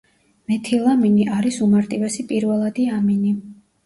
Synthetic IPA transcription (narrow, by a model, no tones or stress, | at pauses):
mɛt̪ʰilˠaminiʔaɾisumaɾt̪ʼivɛsipʼiɾvɛlˠad̪iamini